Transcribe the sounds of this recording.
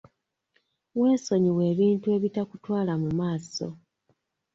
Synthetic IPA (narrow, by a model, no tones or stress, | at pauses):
we̞ːso̞ɲiwe̞ːβiːntue̞βitakutwaːlamumaːso̞̰